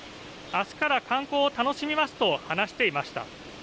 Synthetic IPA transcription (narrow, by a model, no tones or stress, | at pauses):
asɨ̥kaɾakʰãŋko̞ːt̪ano̞ɕimʲimasɨ̥t̪o̞hanaɕi̥t̪e̞imaɕi̥t̪a̰